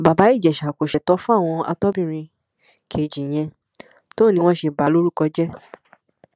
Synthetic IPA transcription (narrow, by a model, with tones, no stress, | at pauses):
ba˨ba˨˦i˦˨d͡ʒɛ˨ʃa˨ko˨ʃɛ˨tɔ˨˦fũ˦a˦˨w̃ɔ̃˧a̰˧tɔ˦bĩ˦˨ɾ̃ĩ˧ | kʰe˨d͡ʒĩ˨j̃ɛ̃˧ | to˦˨nĩ˧w̃ɔ̃˦ʃe˧ba˨˦lo˦ɾu˦˨kɔ˧d͡ʒɛ˦